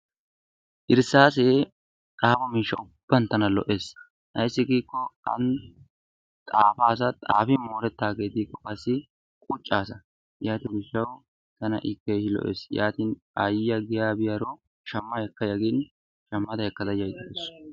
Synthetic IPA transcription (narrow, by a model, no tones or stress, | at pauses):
ʔɪɾsaːs̬eː | t̪ʼaːfɐmiːʃːɐʊb̥ːɐnt̪ɐnɐlɔ̰ʔe̞ːs | ʔɐ̰jsːɪɡiːkːɔɐ̰n | t̪ʼaːfaːs̬ɐt̪ʼaːfɪmoːɾɛt̪ːaːɡe̞ːt̪iːkːɔkɐsːɪ | kʼʊt͡ʃʼːaːsɐ | jaːt̪ɪɡɪʃːɐw | t̪ɐnɐ̰ʔɪkːeːʃɪlɔ̰ʔḛːsjaːt̪iːn | ɐjjɐɡɪjaːbɪjɐɾɔ | ʃɐmːɐjɛkːɐjɐɡɪn | ʃɐmːɐd̪ɐjɛkːɐd̪ɐjɐjd̪ɛes